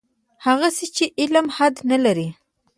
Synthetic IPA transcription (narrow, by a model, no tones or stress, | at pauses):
haɣasit͡ʃeʔɪlmhad̪nalaɾi